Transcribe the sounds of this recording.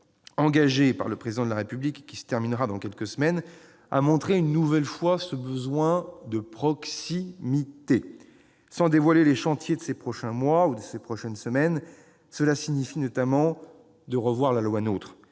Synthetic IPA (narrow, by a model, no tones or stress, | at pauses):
ɑ̃ɡaʒepa̰ʁləpχezid̪ɑ̃d̪əlaʁepyblikːisə̥t̪ɛʁminʁad̪ɑ̃kʲɛlkəsəmɛn | a̰mɔ̃t̪χeynːuvɛlfwasəbəzwɛ̃d̪əpχɔksimit̪e | sɑ̃d̪evwaleleʃɑ̃t̪jed̪əsepχɔʃɛ̃mwaud̪əsepχɔʃɛnsəmɛn | səlasiɲifinɔt̪amɑ̃ | d̪əʁəvwaʁlalwanot̪χ